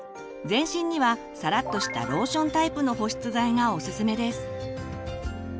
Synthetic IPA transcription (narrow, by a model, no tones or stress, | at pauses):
d͡zẽ̞ɰ̃ɕĩɲ̟ːiβa | saɾat̪ːo̞ɕi̥t̪a̰ɾo̞ːɕõ̞nt̪aipɯ̟no̞ɦo̞ɕi̥t͡sɨzaiŋao̞sɨsɨme̞d̪e̞sɨ̥